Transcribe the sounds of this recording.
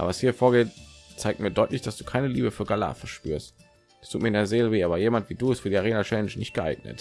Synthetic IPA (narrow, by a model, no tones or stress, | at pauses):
ʔa̰ːbɐvashiːɐfoːɐɡeːtt͡saɪk̚tmiːɐdɔʏtlɪçd̥asd̥uːkʰaɪnəliːbəfyːɐɡala̰ːfɛɐʃpy̰ːɐst | ɛstʰuːtmiːɐɪndeɛɐzeːləveːʔaːbɐjeːmantv̥iːduːɛstfyːiːaʁeːnaʃɛnɪʃnɪçt̚ɡ̥əʔa̰ɪɡ̚nə̰t